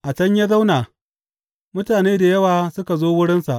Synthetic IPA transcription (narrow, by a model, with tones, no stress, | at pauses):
ʔa˨t͡ʃɐ˦ɲja˦za˦wnaː˨ | mʊ˦taː˨neː˦da˨jɐ˦waː˨sʊ˦ka˨zoː˦wʊ˦ɽɪ˦nsa˨ʔ